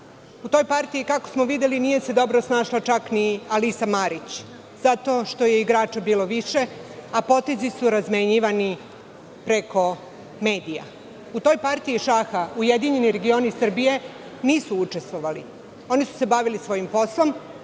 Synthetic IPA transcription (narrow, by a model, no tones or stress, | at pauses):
ut̪o̞jpaɾt̪iikako̞̥smoʋid̪e̞linije̞se̞d̪o̞bɾosnaːʃlat͡ʃaknialisamaɾit͡ɕ | zat̪o̞ːʃt̪o̞jeiɡɾaːt͡ʃabiːlo̞ʋiʃe̞apo̞t̪e̞zisuɾazmeɲiʋani | pɾe̞ko̞ | me̞ːd̪ija̰ | ut̪o̞jpaɾt̪iiʃaxauje̞d̪iɲe̞niɾe̞ɡio̞ːnisr̩bije̞ | niːsuut͡ʃest̪ʋo̞ʋali | o̞nisu̥se̞baʋilisʋo̞jimpo̞slˠo̞m